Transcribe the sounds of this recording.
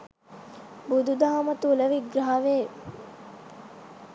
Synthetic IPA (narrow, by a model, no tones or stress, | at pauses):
bud̪ud̪aɦɐmət̪uləʋiɡɾaɦɐʋeː